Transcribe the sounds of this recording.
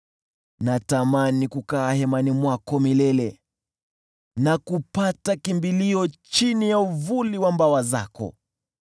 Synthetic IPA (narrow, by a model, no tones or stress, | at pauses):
natamanikukaːhɛmanimwakɔmilɛlɛ | nakupatakimbiliɔt͡ʃinijauvuliwambawaza̰kɔ̰